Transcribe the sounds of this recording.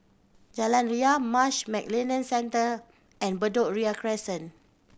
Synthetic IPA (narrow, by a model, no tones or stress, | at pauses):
d͡ʒalãnɹiamaʃmɛk̚lenə̃nsɛ̃ntə | ɛ̃nbədoɹiakɹɛsə̃n